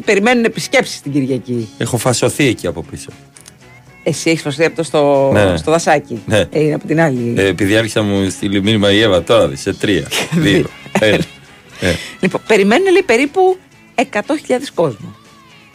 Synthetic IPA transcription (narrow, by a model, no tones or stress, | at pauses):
pe̞ɾime̞nunepisce̞psi̥st̪iɟiɾʝɐciexo̞fɐso̞θieciɐpo̞piso̞ | esieçisfɐsoθiɐpt̪ost̪onest̪o̞ðɐsɐcineineɐpo̞t̪inɐlipiðiɐɾçi̥sɐmust̪iliminimɐievɐt̪oɾɐðiset̪ɾiɐ̰ðioel | neliponpe̞ɾime̞nunelepe̞ɾipu | e̞kɐt̪o̞çiʎɐðesko̞zmu